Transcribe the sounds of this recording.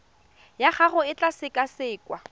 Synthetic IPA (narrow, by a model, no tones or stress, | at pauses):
jaχaχʊɪt͡ɬʼasɪkʼasɪːkʼwa